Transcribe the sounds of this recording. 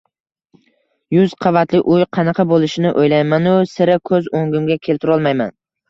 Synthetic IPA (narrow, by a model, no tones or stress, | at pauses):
jʊzqʰɑvat̪lɪʔʊjqʰɑnɑqʰɑbolˠɪʃɪnɪʔojlajmanʊsɪɾakʰɵzoŋɡʲʊmɡʲakʲʰe̞lt̪ʰɪɾɒlˠmajman